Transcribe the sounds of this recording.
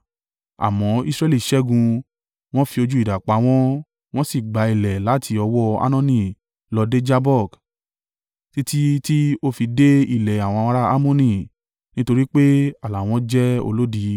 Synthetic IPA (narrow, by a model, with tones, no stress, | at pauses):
a̰˨mɔ̃˨˦i˦sɾɛ˦˧li˦˨ʃɛ˦ɡũ˧ | w̃ɔ̃˦fi˧o˧d͡ʒu˦i˦˨da˨k͡pa˨˦w̃ɔ̃˦ | w̃ɔ̃˦si˦˨ɡ͡ba˨˦i˨lɛ˨la˨˦tʰi˧ɔ˧wɔ˦a̰˦nɔ̃˦˧nĩ˧˨ | lɔ˧de˦d͡ʒa˦bɔ˦˨k | ti˦ti˦ti˦o˦fi˧de˦i˦˨lɛ˨a˨w̃ɔ̃˧a˧ɾa˦a˦mõ˦nĩ˧˨ | nĩ˦to˧ɾi˦k͡pe˦a˨la˨w̃ɔ̃˧˦d͡ʒɛ˦o̰˧lo˦di˨˧˦